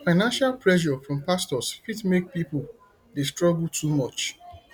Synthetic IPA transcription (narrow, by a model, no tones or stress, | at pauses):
faɪnãnʃalpɹɛʃ̬ɔfɹɔ̃mpastɔskidmek̚pipʊl | destɹɔɡl̩tʰumɔt͡ʃ